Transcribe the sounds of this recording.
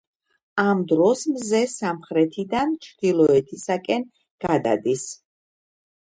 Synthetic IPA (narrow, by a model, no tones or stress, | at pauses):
amd̪ɾɔsmzɛsamχɾɛt̪ʰid̪ant͡ʃʰd̪̥ilˠɔɛt̪ʰisakʼɛn | ɡ̥ad̪a̰d̪is